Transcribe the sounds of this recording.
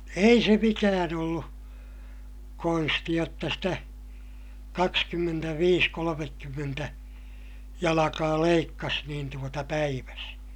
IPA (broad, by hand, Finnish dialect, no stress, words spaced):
ei se mikæːn olːu konsti jotːɑ sitæ kɑkskymːentæʋiːs kolomekːymːentæ jɑlɑkɑː leikːɑs niːn tuotɑ pæiʋæs